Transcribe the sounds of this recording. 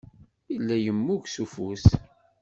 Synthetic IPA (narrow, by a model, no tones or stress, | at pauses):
ilːæjəmːuʝsufus